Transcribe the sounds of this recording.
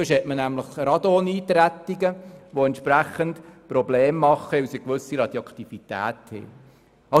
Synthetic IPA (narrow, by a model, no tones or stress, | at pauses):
øʃhɛtmənæmləχɾɑd̪ɔniːt̪ɾæt̪ːiɡəʋoɛntʃpɾæχəntpɾɔbleːmːɑχːəɪwsikʋɵsiɾɑd̥̪jɑkʰt̪ifit̪æ̰ːt̪hḛː | ɑ